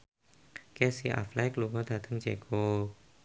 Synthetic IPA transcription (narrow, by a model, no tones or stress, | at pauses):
kɛsiʔa̰flɛklukɔd̪a̤d̪̥əŋd͡ʒeko